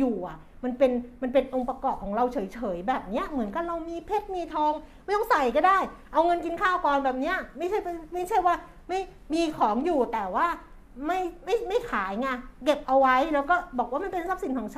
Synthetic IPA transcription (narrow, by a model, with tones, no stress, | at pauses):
juː˨˩ʔa˨˩ʔ | ma˧npe˧nma˧npe˧nʔo˧ŋpa˧kɔː˨˩p̚kʰːɔː˩˦ŋɾa˧wt͡ɕʰɤː˩˦jt͡ɕʰɤː˩˦jbɛː˨˩p̚ni˦˥ɐmɯ˨˩˦nka˧˩ɾa˧wmiː˧pʰe˦˥t̪̚miː˧t̪ʰɔː˧˥ŋma˥˩t̪ɔ˥ŋsa˨˩jkɔː˥˩daː˥˩jʔa˧wŋɤ˧nki˧nkʰaː˥˩wkɔː˨˩nbɛː˨˩p̚ni˦˥ɐma˥˩jʰa˥˩ja˧˩ma˥˩jt͡ɕʰa˥˩jwaː˥˩ | ma˥˩j | miː˧kʰɔː˩˦ŋjuː˨˩t̪ɛː˨˩waː˥˩ | ma˥˩jma˥˩jma˥˩jkʰaː˩˦jŋa˧˩ke˨˩p̚ʔa˧wa˦˥jlɛː˦˥wkɔː˥˩bɔː˨˩k̚waː˥˩ma˧npe˧nsa˦˥p̚si˩˦nkʰɔː˩˦ŋt͡ɕʰ